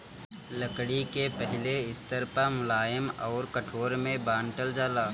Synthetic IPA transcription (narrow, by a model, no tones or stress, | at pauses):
ləkɽikepəɦɪleɪst̪əɾpamʊlaːjɪmɔːɾkəʈʰoːɾmẽbaːnʈəld͡ʒaːlaː